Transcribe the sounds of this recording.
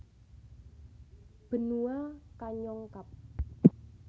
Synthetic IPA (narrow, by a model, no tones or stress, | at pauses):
b̥ə̤nuakaɲɔŋkap̚